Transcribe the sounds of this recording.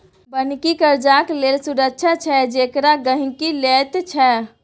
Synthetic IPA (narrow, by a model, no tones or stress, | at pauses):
bənkikəɾd͡ʒaklelsuɾəkt͡ʃʰat͡ʃʰɛd͡ʒekɾaɡəɦĩkilet̪t͡ʃʰɛ